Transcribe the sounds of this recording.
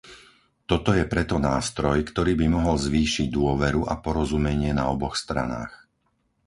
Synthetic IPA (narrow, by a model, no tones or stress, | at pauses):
t̪ɔt̪ɔjɛpɾɛt̪ɔnaːst̪ɾɔjkt̪ɔɾiːbimɔɦɔlzʋiːʃiɟ̚d̪ʊɔʋɛɾuʔapɔɾɔzumɛɲɪɛnaɔbɔxst̪ɾa̰na̰ːx